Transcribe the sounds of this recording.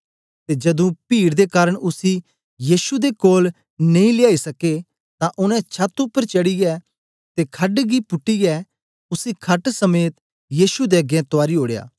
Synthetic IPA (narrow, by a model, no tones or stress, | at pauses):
t̪ed͡ʒɐd̪ũpiːɽd̪ekaːɾəɽ̃ʊsi | jiːʃud̪ekoːl | nɐĩlɪjaːisɐke | t̪ãʔʊnɛ̃t͡ʃʰat̪ʊpːəɾt͡ʃɐɽijɛ | t̪ekʰɐɖɡipʊʈːiɛ | ʊsikʰɐʈsɐmeːt̪ | jiːʃud̪eɐɡɛ̃t̪ʊaːɾiɦoːɽeja̰ː